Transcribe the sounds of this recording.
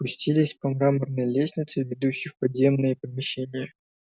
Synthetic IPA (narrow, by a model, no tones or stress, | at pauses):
pʊsʲtʲilʲɪsʲpɐmɾamərnəjlʲesʲnʲɪt̪sɨvʲɪd̪uɕːɪfpɐd̪zʲe̞mnɨjəpəmʲɪɕːenʲɪjə